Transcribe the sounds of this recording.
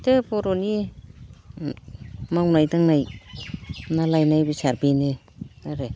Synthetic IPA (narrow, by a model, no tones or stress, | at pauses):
tɯboɾoni | mawnajdaŋnaj | nalajnajbisaɾbine | naɾɯ